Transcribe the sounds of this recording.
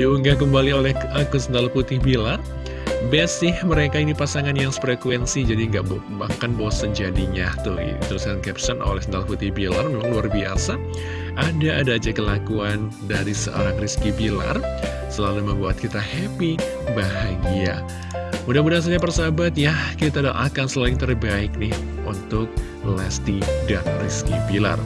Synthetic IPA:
diuŋɡahkəmbaliolɛhəkəsənt̪aluput̪ɪhbilar | bɛsɪhməɾekainipasaŋanjaŋsə̥pərɛkuɛnsid͡ʒadiəŋɡaʔb | bakanbosənd͡ʒadiɲat̪ʊht̪əɾuskankɛpsəno̰lɛhsənt̪aluput̪ɪhbilarmemaŋluarbia̰sa | ʔadaːdaːd͡ʒakəlakuan | daɾisə̰ʔo̰ɾaŋriskibila̰r | səlaluməmbuat̪̚kit̪ahɛpi | baɦaɡia | mudahmudas̬aɲapərsabat̪̚jahkit̪ada̰ʔakansəlaɪŋt̪ərbaɪk̚nɪh | unt̪ʊk̚ | lɛst̪idaŋriskibila̰r

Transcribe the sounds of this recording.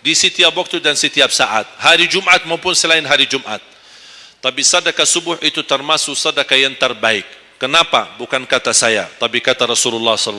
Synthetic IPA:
disit̪iapwak̚t̪udansət̪iap̚saʔa̰t̪̚haɾid͡ʒumʔat̪̚maupʊnsəlaɪnɦaɾid͡ʒumʔa̰t̪̚ː | apisadakasubʊhit̪ut̪ərmasʊksadakajaŋt̪ərbaɪkː | ənapa̰bukankat̪asaja̰t̪apikat̪aɾasululːɑhsɔl

